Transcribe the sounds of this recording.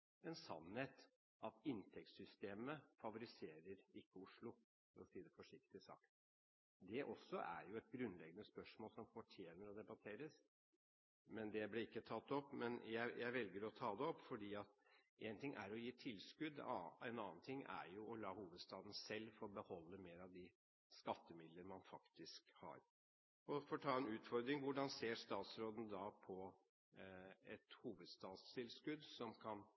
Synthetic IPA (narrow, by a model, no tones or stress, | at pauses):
ɛnsɑ̰nheːt̪ | ɑt̪ɪnt̪ʰɛk̚t̪sʏst̪eːməfɑʋʊɾɪseːɾəɾɪkːəʊʂlʊ | fɔɾɔsiːd̪əfɔʂɪk̚t̪ɪsɑ̰ːk | d̪ɛʔɔsːɔʔæ̰ɾjʊɛt̪̚ɡɾʉnːlɛɡːənəspœʂmoːlsɔmfɔʈʰjeːnəɾɔd̪ɛbɑt̪ʰeːɾəs | mɛnd̪ɛblɪɪkːət̪ʰɑt̪ːɔpːmɛnjæɪjæɪʋɛlɡəɾɔt̪ʰɑːd̪ɛɔpːfɔɖiːɑt̪eːnt̪ɪŋʔæ̰ɾɔjiːt̪ʰɪlːskʉd̪ɑ̰ɛnɑːnt̪ʰɪŋːæ̰ɾjʊɔlɑːhuːʋəd̪st̪ɑːd̪n̩sɛlːfɔɾɔbəhɔlːəmeːɾɑʋd̪ɪ | skɑt̪ːəmɪd̪ləɾmɑnfɑkt̪ɪskhɑ̰ɾ | ɔfɔʈ̪ʰɑːɛnʉːt̪fɔɾd̪ɾɪŋʋʊɖɑnseːɾst̪ɑːt̪sɾoːd̪n̩d̪ɑpʰɔ | ɛt̪huːʋəd̪st̪ɑːt̪st̪ʰɪlskʉd̪sɔmkʰɑn